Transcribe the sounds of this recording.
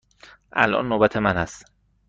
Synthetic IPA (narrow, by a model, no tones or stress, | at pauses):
ʔæ̰lʔɒ̰nːoːbæt̪ʰemænhæst̪